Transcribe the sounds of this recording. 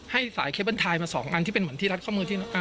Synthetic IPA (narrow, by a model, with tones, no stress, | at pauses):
ha˥˩jsaː˩˦jkʰe˦˥bɯ˧˥˩nt̪ʰaː˧jmaː˧sɔ̰ː˩˦ŋʔa˧nʰiː˥˩pe˧nmɯ˩˦əniː˥˩a˦˥t̪̚kʰɔ˥˩mɯː˧t̪ʰi˥˩˦ʔa˧